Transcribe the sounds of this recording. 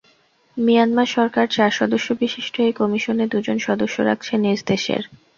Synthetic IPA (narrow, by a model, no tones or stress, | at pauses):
mijanmaɾʃɔɾkaɾt͡ɕaɾʃɔd̪oʃːobiʃiʃʈʰoekɔmiʃoned̪ud͡ʑonʃɔd̪oʃːoɾa̰k̚ʰt͡ɕʰenid͡ʑd̪eʃḛɾ